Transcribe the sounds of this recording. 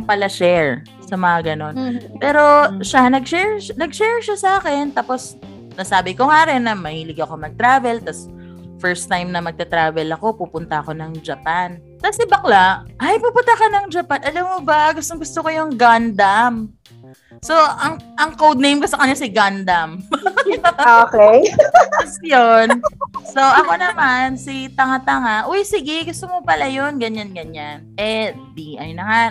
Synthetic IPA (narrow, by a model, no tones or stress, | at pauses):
ŋpɐlɐʃɛɹ | sɐmɐŋɐɡɐno̞npɛːɾo̞ʃanɐɡ̚ʃɛɹnɐɡ̚ʃɛɹʃasɐaːkɛnt̪aːpo̞s | nɐsaːbɪkoŋaːɾɛnːɐmɐhiːlɪɡɐkomɐɡ̚t̪ɾaːvɛlt̪ɐs | fɛɹst̪ːajmnɐmɐɡ̚t̪ɐt̪ɾaːvɛlɐko̞puːpʊnt̪ɐʔɐko̞nɐŋd͡ʒɐpan | t̪asɪbɐklaʔʔajpuːpʊnt̪ɐkɐnɐŋd͡ʒɐpanɐlamːobɐɡʊst̪oŋɡʊst̪okojʊŋɡand̪am | so̞ʔɐŋʔɐŋkowd̪̚nejmkosɐkɐɲːasɪɡand̪ɐm | okɛjsjonso̞ʔɐko̞nɐmansɪt̪ɐŋat̪ɐŋaʔojsɪɡɪɡʊst̪omopɐlajo̞nɡɐɲanɡɐɲanʔɛd̪iʔɐjnɐŋa